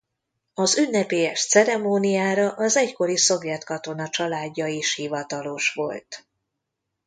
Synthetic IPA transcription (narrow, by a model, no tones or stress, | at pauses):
ɒzynːɛpeːjɛʃt̪sɛɾɛmoːnijaːɾɒʔɒzɛcko̞ɾiso̞vjɛt̪kɒt̪o̞nɒt͡ʃɒlaːɟːɒiʃhivɒt̪ɒlo̞ʃʋo̞̰lt̪